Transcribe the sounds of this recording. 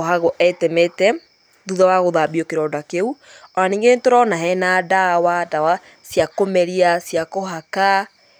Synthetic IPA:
ɦaɣoʔɛtɛmetɛ | ðuðawaɣoðabiokeɾɔːdakeu | ɔaniːŋɡentoɾɔnaɦɛnadawadawa | sjakomɛɾiasjakoɦaka

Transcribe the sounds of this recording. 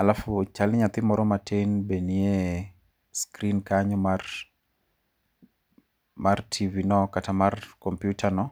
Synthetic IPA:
alafʊt͡ʃalɪɲat̪ɪmɔɾɔmatʰenbenie | skɾinkaɲɔmar | martʰivinɔkatamarkɔmpjutʰanɔ

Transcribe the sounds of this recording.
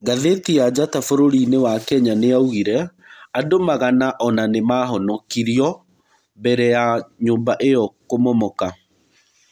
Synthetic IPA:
ɡaðetiad͡ʑatafoɾoɾinewakɛɲaneauɣiɾɛ | adomaɣanaʔɔnanemaːɦɔnɔkiɾiɔ | bɛɾɛjaɲoːmbaʔejɔkomɔmɔka

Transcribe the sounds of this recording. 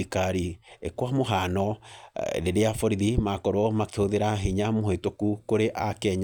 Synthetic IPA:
ikaɾiekwamoɦanɔ | deɾeafɔɾiðimakɔɾwɔmakehoðeɾaɦeɲamoɦetokukoɾeʔakɛɲ

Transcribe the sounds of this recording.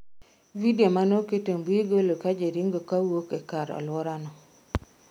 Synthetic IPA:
videomanoketembwiɡolokad͡ʒeɾiŋɡokawokekaɾɔ̰lwɔɾanɔ

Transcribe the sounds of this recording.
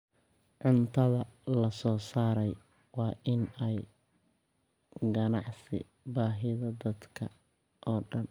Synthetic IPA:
ʕʊnt̪ʰɐðɐlɐsɔːsaːɾɛj | wɑːʔɪnɛj | ɡɐnɑʕsɪ̰ | baːɦɪðɐd̪ɐd̪kʰɐ̰ | ʔɔːɖɐn

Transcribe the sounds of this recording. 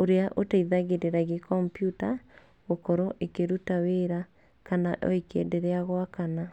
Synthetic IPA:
oɾeaʔotaiðaɣeɾeɾaɣekɔmpjuta | ɣokɔɾoʔekeɾutaweɾa | kanaʔɔ̰ikʰḛndeɾɛaɣwakana

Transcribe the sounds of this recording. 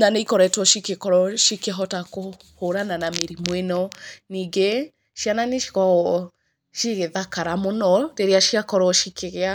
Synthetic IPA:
naneikɔɾɛtwɔʃikekɔɾɔʃikeɦɔtako | hoɾananameɾimwenɔniːɡe | ʃiananeʃi̥ɣɔɔ | ʃiɣeðakaɾamonɔɾeɾeaʃiakɔɾɔʃikeɣea

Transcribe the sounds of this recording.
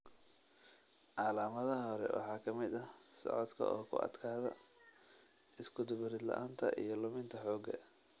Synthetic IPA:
ʕɑːlaːmɐðɐɦɦɔɾɛ̰wɑ̰ħɑːkʰɐmɪd̪ɐsɔ̰ʕɔd̪kʰɐ̰ʔɔːkʰʊ̰ʔɐ̰d̪kʰaːðɐ̰ | ʔɪskʰʊd̪ʊβɪɾɪd̪lɐ̰ʔaːnt̪ʰɐ̰ʔḭjɞlʊmɪnt̪ʰɐħɔːɡɐ

